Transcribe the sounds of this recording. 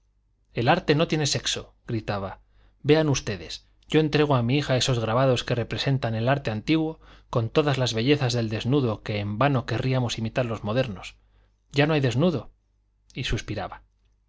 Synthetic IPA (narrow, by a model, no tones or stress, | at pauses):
e̞laɾt̪e̞no̞t̪je̞ne̞se̞kso̞ | ɡɾit̪aβa | be̞anust̪e̞ðe̞̰s | ɟ͡ʝo̞e̞nt̪ɾe̞ɣ̞oamiixae̞so̞zɣ̞ɾaβ̞að̞o̞ske̞re̞pɾese̞nt̪ane̞laɾt̪e̞ant̪iɣwo̞ko̞nt̪o̞ðazlazβe̞ʝe̞θazðe̞ld̪e̞znuðo̞ke̞ːmbano̞ke̞rʔiamo̞simit̪aɾlo̞zmo̞ðe̞ɾno̞s | ɟ͡ʝano̞ajðe̞znuðo̞ | isuspiɾaβa